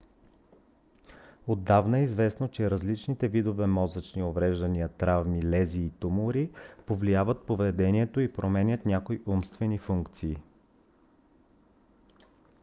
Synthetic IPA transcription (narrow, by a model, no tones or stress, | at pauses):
od̪ːavnəɛizvɛsnot͡ʃɛɾɐzlit͡ʃnit̪ɛvid̪ovɛmɔzət͡ʃniovɾɛʒd̪ɐniət̪ɾavmilɛziːt̪umʊɾipovlijavət̪̚povɛd̪ɛniɛt̪oipɾʔomɛnʲət̪nʲakoiʔumst̪vɛnifuŋkt̪siː